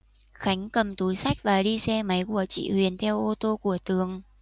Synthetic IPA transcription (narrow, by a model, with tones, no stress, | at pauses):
xa˨˦jŋ̟kə˨˩mt̪u˨˦jsa˦˥jk̚vaː˨˩ɗi˧sɛ˧ma˨˦jku˧˩ət͡ɕḭ˧˨hwi˨˩ənt̪ʰɛ˧wʔo˧t̪o˧ku˧˩ət̪ɨ˨˦əŋ